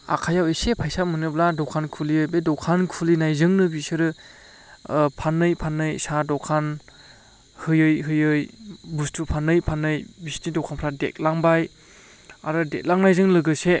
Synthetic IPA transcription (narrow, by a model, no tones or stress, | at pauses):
a̰kʰajawesepʰajsamɯnɯbladɔkʰankʰuliɯbedɔkʰankʰulinajzɯŋnɯbisɯɾɯ | pʰanːɯjpʰanɯjsadɔkʰan | hɯjɯjɦɯjɯjbustʰupʰanːɯjpʰanːɯjbistidɔwkʰanpʰɾadḛk̚laŋbaj | aɾɯdek̚laŋnajzɯŋlɯɡɯse